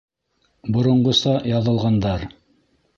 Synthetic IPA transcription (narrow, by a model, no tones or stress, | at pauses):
bŏɾŏɴɢŏsɑjɑðɤ̆lˠʁɑnd̪ɑɾ